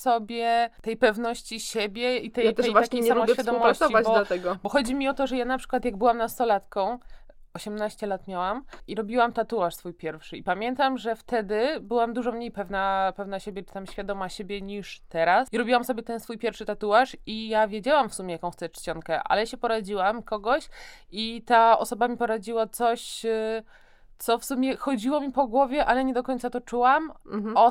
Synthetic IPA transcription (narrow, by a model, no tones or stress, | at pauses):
sɔbʲjɛt̪ɛjpɛvnɔɕt͡ɕiɕebʲjɛit̪ɛjat̪ɛɛjtvwaakʲejsalmɔ̃bjɛfjad̪ɔmɔaɕsɔivabɔlat̪ɛɡɔbɔxɔd͡ʑimʲiɔt̪ɔʐɛjanapʂɘ̥kwat̪jaɡ̚bɘwamnat̪st̪ɔlat̪kɔ̃w̃ | ɔɕɛmnaɕt͡ɕɛlat̪mʲjawamiɾɔbʲiwamt̪at̪uwaʂsfujpʲjɛɾfʂɘipamʲjɛnt̪amʐɛft̪ɛd̪ɘbɘwamd̪uʐɔmɲejpɛvnapɛvnaɕebʲjɛt͡ʂɨ̥t̪amɕfʲjad̪ɔmaɕebʲjɛɲiʂt̪ɛɾasiɾɔbʲiwamsɔbʲjɛt̪ɛnsfujpʲjɛɾfʂɘt̪at̪uwaʂijavʲjed͡ʑawamfsumʲɛjakɔ̃w̃xt̪sɛt͡ʂt͡ɕɔŋkɛʔa̰lɛɕɛpɔɾad͡ʑiwamkɔɡɔɕit̪aɔ̰sɔbamʲipɔɾad͡ʑiwat̪sɔɕ | t̪sɔfsumʲɛxɔd͡ʑiwɔmʲipɔɡwɔvʲjɛʔalɛɲɛd̪ɔkɔɲʲt̪sat̪ɔt͡ʂuwamɔ